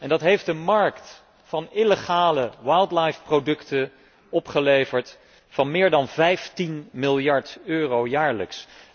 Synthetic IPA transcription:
ɛndɑtɦejftdəmɑɹkt | fɑnɪləχaːləwajlˠdlajfprodɵktə | ɔpχəlejvəɹt | fɑnmɪːɹdɑnvɛjftinmɪlˠjɑɹtøːrowjaːɹlə̰ks

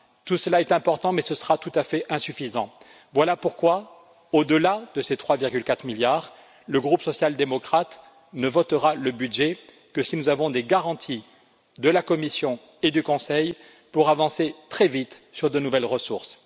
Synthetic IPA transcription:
t̪usəlaɛt̪ɛ̃pɔʁt̪ɑ̃mɛsəsəʁat̪ut̪afɛʔɛ̃syfizɑ̃ | vwalapuʁkwa | od̪əlad̪əset̪χwaviʁɡʲylkat̪χmiljaːʁ | ləɡʁupsɔsjald̪emɔkχat̪ | nəvɔt̪əʁaləbyd̪ʒɛ | kəsinuzavɔ̃d̪eɡaʁɑ̃t̪ʰi | d̪əlakɔmisjɔ̃ | ed̪ykɔ̃sɛj | puʁavɑ̃set̪χɛvit̪syʁd̪ənuvɛlʁəsuʁs

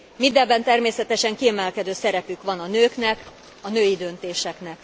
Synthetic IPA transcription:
mind̪ɛbːɛnt̪ɛrmeːsɛt̪ɛʃɛŋkiɛmɛlkɛd̪øːsɛɾɛpykʋɒnɒnøːknɛk | ɒnøːjid̪ø̞nt̪eːʃɛknɛk

